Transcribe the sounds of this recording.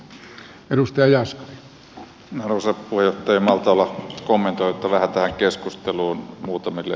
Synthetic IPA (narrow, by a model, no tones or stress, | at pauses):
eɾust̪ɑjɑjɑsko̥ʋi̥ | nɑrʋoˑsɑpuhejˑoht̪ːˑɑjɑmɑlt̪ɑolːɑkomːent̪oˑiot̪ːɑʋæhæt̪æhæŋkeskust̪eluːnmuːt̪ɑmilːḛ